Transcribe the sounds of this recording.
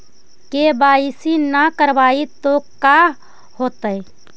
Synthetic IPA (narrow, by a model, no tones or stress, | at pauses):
kebaisinəkəɾbait̪oka | hot̪əj